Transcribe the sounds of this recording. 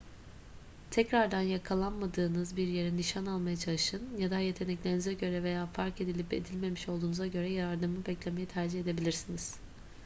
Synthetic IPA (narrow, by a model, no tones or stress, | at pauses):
t̪ʰɛcɾaɾd̪anjakʰalˠanmad̪ɯːnɯzbiɾje̞ɾiniʃanalˠmajat͡ʃʰalˠɯʃɯnjad̪aje̞t̪ʰe̞nɛclʲe̞ɾinizɛɟø̞ɾɛve̞jaːfaɾke̞d̪ilʲipe̞̰d̪ilʲme̞miʃo̞lˠd̪uːnuzaɟø̞ɾɛjaɾaɾd̪ɯmˠɯbɛclʲe̞me̞jit̪ʰæɾd͡ʒihe̞d̪e̞bilʲiɾsiniz̥